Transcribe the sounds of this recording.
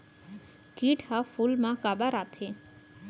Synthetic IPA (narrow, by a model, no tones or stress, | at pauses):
kiːʈhafuːlmãkaːbaɾaːt̪ʰẽ